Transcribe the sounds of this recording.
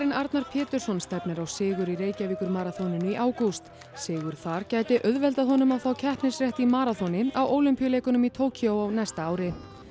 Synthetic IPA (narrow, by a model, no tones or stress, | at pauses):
ɾɪnaɾt̪naɾ̥pʰɛːt̪ʏɾ̥sɔnst̪ɛpnɪɾawsɪːɣʏɾiɾeːjcaviːkʏɾmaːɾaθɔnɪnʏiʔaːwkuwst̪ | sɛːɣʏɾ̥θaɾ̥caːjt̪ɪʔœðvɛlt̪aðɦɔnʏmawθawcʰɛhpnɪsrjɛht̪imaːɾaθɔnɪawoːwlʏmpijʏleːjkʏnʏmit̪ʰoːwcʰiowawnɛst̪aaːwɾɪ